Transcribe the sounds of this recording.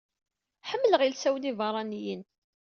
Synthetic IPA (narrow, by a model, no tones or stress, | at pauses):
ħəmːələʁilsæwənivɑɾˤɑnijən